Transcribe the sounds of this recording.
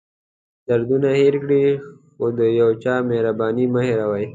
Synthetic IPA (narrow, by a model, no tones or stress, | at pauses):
d̪̥aɾd̪unaheɾkɽixod̪əjawt͡ʃɑːmehɾabɑːnimaheɾawaj